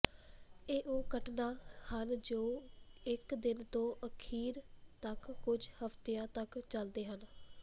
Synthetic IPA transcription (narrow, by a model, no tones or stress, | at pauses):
eːʔoːɡəʈnaːhənd͡ʒoːɪkd̪ɪnt̪õːʔəkʰiːɾt̪əkːʊd͡ʒhəft̪eːãːt̪əkt͡ʃəld̪eːɦən